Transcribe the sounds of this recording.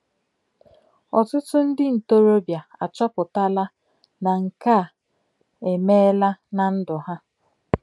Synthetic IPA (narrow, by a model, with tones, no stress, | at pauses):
ɔ˨tʊ˦tʊ˦n̩˦dɪ˦n̩˨to˦ɾo˦bja˨a̰˨t͡ʃɔ˦pʊ˨ta˦la˦ | na˨ŋ̩˨ka˦˨ | e˨me˦la˦na˨n̩˦dʊ˨ɦa˦